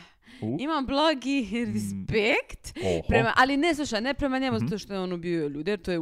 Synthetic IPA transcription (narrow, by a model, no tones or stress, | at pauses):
imamblˠoɡiɾispekt̪pɾemaʔalineslˠuʃane̞pɾe̞maɲe̞muzat̪oʃt̪o̞jeonobioʎuːd̪eeɾt̪oje